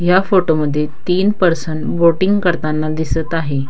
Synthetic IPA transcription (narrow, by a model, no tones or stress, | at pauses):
ɦjafoʈoməd̪ʱːjet̪iːnpəɾsəɳʈboʈiŋɡkəɾt̪anːad̪isət̪aɦe